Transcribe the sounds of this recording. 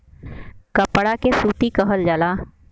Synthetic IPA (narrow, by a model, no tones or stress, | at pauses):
kəpɽakesuːt̪ikəɦəld͡ʒəlaː